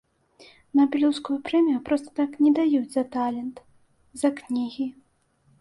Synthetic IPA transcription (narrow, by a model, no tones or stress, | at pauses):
nɐbʲilʲuwskujupɾɛmʲijupɾɔst̪ɐ̥t̪aknʲɛd̪ajud͡zʲzɐt̪alʲɛnt̪ | zɐknʲiɣʲi